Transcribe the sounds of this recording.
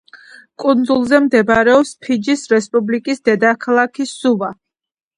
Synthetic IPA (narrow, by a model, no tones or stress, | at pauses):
kʼund̪zulˠzɛmd̪ɛbaɾɛɔpspʰid͡ʒisɾɛspʼublikʼisd̪ɛd̪akʰalˠakʰisuva